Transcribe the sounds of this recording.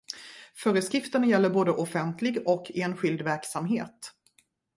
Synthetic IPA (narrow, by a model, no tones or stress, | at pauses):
fœːɾəskɾɪft̪əɳajɛlːəɾboːd̪əʔɔfɛnt̪ʰlɪɡɔkʰːeːnɧɪld̪væɾksamɦeːt̪